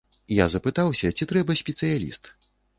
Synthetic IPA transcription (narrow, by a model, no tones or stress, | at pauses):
jazɐpɨt̪awsʲɐt͡sʲit̪ɾɛbɐsʲpʲɛt̪sɨjalʲḭst̪